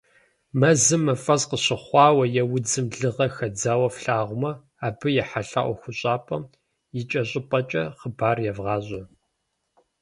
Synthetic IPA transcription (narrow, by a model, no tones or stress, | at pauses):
mɐzɨmːɐfɐzqəɕɪχʷɑːwɐjɛwʊd͡zɨmɮɨʁɐxɐd͡zaːwɐfɬaːʁʷmɐ | aːbɨjɛħaɬa̰ʔʷɔ̰xʷʊɕʼaːpʼɐm | jɪt͡ʃʼɐɕʼɪpʼɐt͡ʃʼɐχəbaːrjɛvʁɑːʑʼɐ